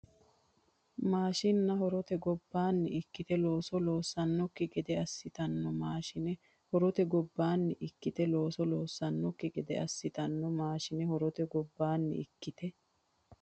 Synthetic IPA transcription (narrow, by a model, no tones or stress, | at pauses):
maːʃɪnːɐɦɔɾɔt̪ɛɡɔbːaːnːɪɪkːɪt̪ɛlo̞ːsɔlo̞ːsːɐnːɔkːɪɡɛd̪ɛɐsːɪt̪ɐnːɔmaːʃɪnɛ | hɔɾɔt̪ɛɡɔbːaːnːɪʔɪkːɪt̪ɛlo̞ːsɔloːsːɐnːɔkːɪɡɛd̪ɛɐsːɪt̪ɐnːɔmaːʃɪnɛhɔɾɔt̪ɛɡɔbːaːnːɪ̰ɪkːɪt̪ɛ